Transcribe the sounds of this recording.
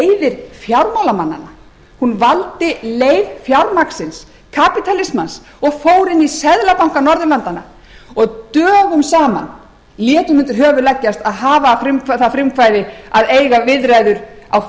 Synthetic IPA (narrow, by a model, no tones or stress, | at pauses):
ejðɪɾ̥fjawɾmawlamanːa̰na | hunvalt̪ɪleːjvfjawɾmaksɪns | kʰapit̪ʰalɪsmans | ɔɣfoːwɾɪnːisɛðlapawŋ̥kanɔɾðʏlant̪ana | ɔɣt̪œːɣʏmsaːma̰n | ljɛːt̪ʏmʏnt̪ʏɾɦœːvʏɾlɛcːast̪aðɦaːvafɾʏmfθafɾɪmfaːjðɪaðejɣavɪðɾajðʏɾaw